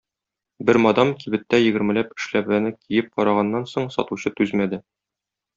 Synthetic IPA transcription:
bɘɾmɒd̪ɑmkibɘ̆t̪ːæjɘ̆ɡɘ̆ɾmɘ̆læpɘ̆ʃlæβænɘkʰijɘp̚qɒɾɑʁɑnːɑnsoɴsɒ̰t̪uɕɤt̪ʉzmæd̪ɘ

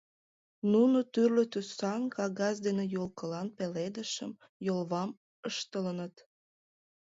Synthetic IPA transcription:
nunot̪yrlet̪ysɑnkɑɣɑzd̪enejolkəlɑnpeled̪əʃəm | jolβɑm | əʃt̪ələnət̪

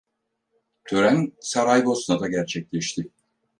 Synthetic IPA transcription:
t̪ʰøɾænsaɾajbo̞snad̪aɟæɾt͡ʃʰɛc̚lʲɛʃt̪ʰɪ

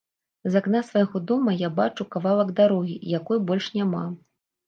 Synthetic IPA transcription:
zaknasvajɣɔd̪ɔmɐjabat͡ʂukavalˠɐɡd̪aɾɔɣʲijakɔjbɔlʲʂnʲama̰

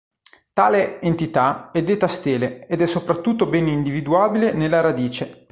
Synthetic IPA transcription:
t̪aːleent̪it̪aɛd̪ːeːt̪ast̪eːleed̪ɛsːopɾat̪ːut̪ːobɛːnind̪ivid̪uaːbilenelːaɾad̪iːt͡ʃe

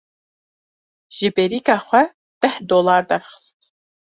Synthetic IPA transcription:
ʒɪbeɾiːkʰaːχʷɐ | d̥ɐħdolaːrd̪ɐrχə̥stʰ

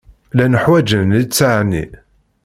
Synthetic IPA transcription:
lænəħwæd͡ʒənit͡sːaʕnḭ

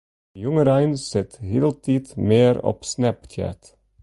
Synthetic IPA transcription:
jʉŋəɾæɪnsɛt̪heːlt̪ʰiːt̪meːɾɔ̰psnɛpt̪ʰæ̰ːt̪

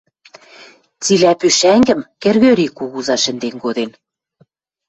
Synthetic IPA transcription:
t͡silæpyʃæŋɡɘ̆mkɘ̆rɣøɾikuɣuzɑʃɘ̆nd̪enkod̪en

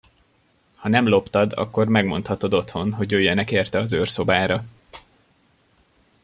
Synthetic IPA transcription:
hɒnɛmlo̞pt̪ɒd̪ɒ̰kːo̞rmɛɡmo̞̰nt̪hɒt̪o̞d̪o̞t̪ho̞nɦo̞ɟøːjːɛnɛkeːrt̪ɛɒzørso̞baːɾɒ

